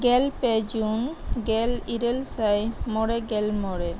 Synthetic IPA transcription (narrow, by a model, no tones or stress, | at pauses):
ɡɛlpɛd͡ʒunɡɛliɾelsajmɔɽeɡɛlmɔɾe